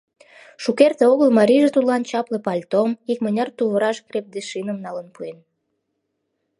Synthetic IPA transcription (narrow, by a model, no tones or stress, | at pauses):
ʃukert̪eoɣəlmɑɾʲiʒet̪ud̪lɑnt͡ɕɑplepɑlʲt̪omik̚mənʲɑrt̪uβəɾɑʃkrep̚d̪eʃinəmnɑlənpuen